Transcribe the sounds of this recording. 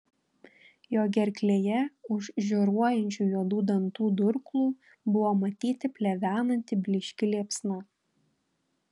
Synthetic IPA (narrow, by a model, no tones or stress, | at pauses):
joːɡʲɛɾʲklʲeːjɛʊʃʒʲoɾuɔjɛnʲt͡ʃʲuːjuɔd̪uːd̪ɐnt̪uːd̪ʊɾklˠuː | bʊʋoːmɐt̪ʲiːt̪ʲɪpʲlʲɛʋʲæːnɐnʲt̪ʲɪbʲlʲɪʃʲkʲɪlʲiɛpsnɑ